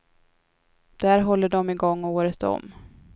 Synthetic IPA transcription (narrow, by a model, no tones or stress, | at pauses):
d̪̥æːɾɦɔlːəɖɔmɪɡɔŋːoːɾət̪ɔ̰m